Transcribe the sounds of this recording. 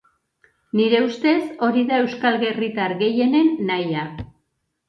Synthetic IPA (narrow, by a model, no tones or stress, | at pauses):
niɾe̞ust̪e̞so̞ɾiðae̞wskalɣe̞rit̪aɾɣe̞je̞ne̞nːaja